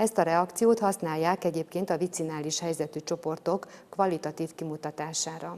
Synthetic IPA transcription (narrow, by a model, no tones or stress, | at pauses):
ɛst̪ɒɾɛɒkt̪sijoːt̪hɒsnaːjːaːkɛɟeːpkeːnt̪ɒvit̪sinaːliʃhɛjzɛt̪yt͡ʃo̞po̞rt̪o̞kːvɒlːit̪ɒt̪iːfkimut̪ɒt̪aːʃaːɾɒ